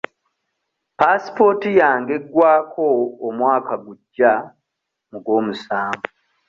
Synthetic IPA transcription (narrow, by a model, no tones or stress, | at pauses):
pasi̥po̞tijaːŋɡe̞ɡwaːkʰo̞ːmwaːkaɡuɟːa | muɡo̞ːmusaːɱvu